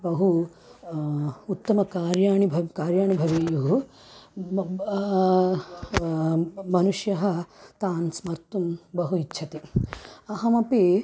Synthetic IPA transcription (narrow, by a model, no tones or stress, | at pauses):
bɐɦu | ut̪ːɐmɐkaːɾjaːɳibʱɐkaːɾjaːɳibʱɐʋijuɦu | mɐnuʂjɐɦɐt̪aːnsmɐɾt̪umbɐɦuitːt͡ʃʰɐt̪iɐɦɐmɐpi